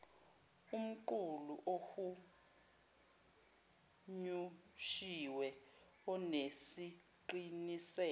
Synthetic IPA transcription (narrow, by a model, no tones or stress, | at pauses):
um̩ǃuluʔoxu | ɲuʃiwɛ | ɔnesi | ǃinisɛː